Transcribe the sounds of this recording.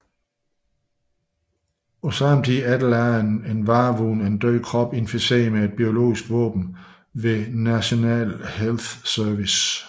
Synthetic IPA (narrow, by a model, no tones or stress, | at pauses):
osɑ̈mdʰiæd̥l̩æɐnenʋɑ̈ːʋuːnæe̝nd̥øɪ̰kʰʁɒ̽b̥e̝nfise̝̰ɐmee̝d̥̚b̥io̝lo̝̰ːisɡ̥ʋɔ̰ːb̥n̩ | ʋe̝næɕo̝nɛ̰ːlhelθsœɐʋis